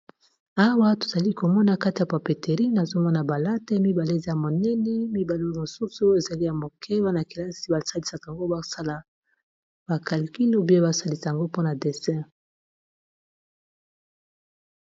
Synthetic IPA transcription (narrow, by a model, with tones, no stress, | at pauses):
a˦wa˦to˨za˨li˦ko˨mɔ˦na˨ka˦ti˨ja˨pa˨pe˨te˨ʁi˦na˨zo˦mɔ˦na˨ba˨la˦tɛ˦mi˦ba˨le˦˨za˦˨mo˨nɛ˦nɛ˦mi˦ba˨le˦˨mo˨su˦su˦˨o˦e˨za˨li˦ja˨mo˨kʰɛ˦ba˦na˨ki˨la˦si˨˦ba˨sa˦li˨sa˨ka˨ŋɡo˦ba˦˨sa˦la˨ | b̥a˨ka˨li˨ki˦no˦bi˦a˦ba˦sa˦li˨sa˨ja˨ŋɡo˦po˦na˨de˨sɛ̃˦